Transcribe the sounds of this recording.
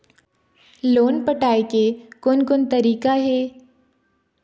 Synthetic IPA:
loːnpəʈaːekekʊnkʊnt̪ɐɾiːkaɦɛː

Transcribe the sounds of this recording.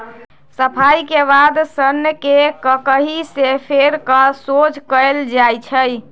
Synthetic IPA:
səpʰajkeβad̪sənjəkekəkəɦisepʰeɾkəsod͡ʒkəld͡ʒajt͡ʃʰəj

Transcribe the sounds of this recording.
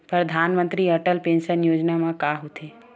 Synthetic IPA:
pɾəd̪ʱaːnmə̃nt̪ɾiɐʈəlpẽːnʃənjoːd͡ʒnamãkaɦut̪ʰe

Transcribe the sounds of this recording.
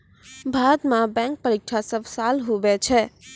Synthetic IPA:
bʱad̪mãbɛ̃ŋk̚pəɾik̚ʈʰasəbʱsalɦobɛt͡ʃʰɛ

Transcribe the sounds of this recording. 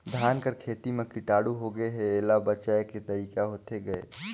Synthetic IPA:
d̪ʱjaːnkəɾkʰeːt̪imẽkɪʈaːɽuɦoɡəeɦɛeːlabət͡ʃaːeket̪ɐɾiːkaɦoːt̪eɡɐḛː

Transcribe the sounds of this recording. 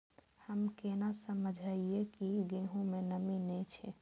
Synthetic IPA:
həmkenasəməd͡ʒʱəiekiɡeɦõmenəminɛt͡ʃʰɛ

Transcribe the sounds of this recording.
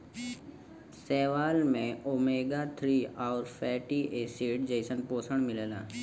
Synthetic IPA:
seːʋaːlmẽoːmeːɡat̪ʰɾiːaːɾfʰɛːʈiːʔeːseːʈd͡ʒəɪsənpoːsəɽ̃mɪləla̰ː

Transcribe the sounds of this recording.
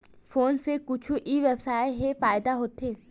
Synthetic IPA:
foːnsekʊt͡ʃʰuʔiʋebsaːeɦefaːɪd̪aɦoːt̪eː

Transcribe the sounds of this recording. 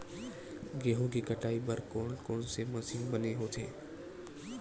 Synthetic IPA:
ɡeːɦõkikəʈaːibəɾkɔːnkoːnsemɐsiːmbəneɦoːt̪ʰeː

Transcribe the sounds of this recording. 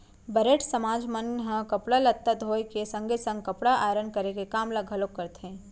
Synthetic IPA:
bɐɾeːʈsɐmaːd͡ʒmənɦəkɐpɽəlɐt̪ːəd̪ɦoːjkesɐ̃ŋɡesə̃ŋɡ̚kɐpɽaʔaːɾənkəɾekekaːmlaɡʱɐlokːəɾt̪ɦẽː

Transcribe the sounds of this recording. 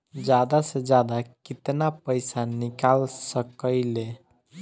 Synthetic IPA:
d͡ʒjad̪ased͡ʒjad̪akit̪napəjsanikalsəkəɪle

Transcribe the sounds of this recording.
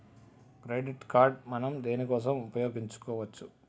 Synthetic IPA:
kɾeːɖiʈkaːɾɖmɐnɐmd̪eːnikɔːs̬ɐmupɐjo̞ːɡiɲt͡ʃu̥kɔːʋɐt͡ʃːu

